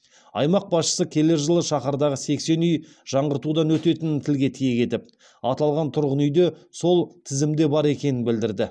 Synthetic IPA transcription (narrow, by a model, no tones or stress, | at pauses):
ɑ̰jmɑq̚bɑsʃə̥səkʲʰe̞leɾʒəlˠəʃɑχɑɾd̪ɑʁəse̞kse̞nʏj | ʒ̥ɑɴʁəɾt̪ud̪ɑnwɵt̪e̞t̪ɪnt̪ʰɪlɡʲe̞t̪ʰijekʲe̞t̪ɪp̚ | ɑt̪ɑlˠʁɑnt̪ʰʊɾʁənʏjd̪e̞so̞lˠt̪ʰɪzɪmd̪e̞bɑɾe̞kʲe̞nɪnbɪld̪ɪɾd̪ɪ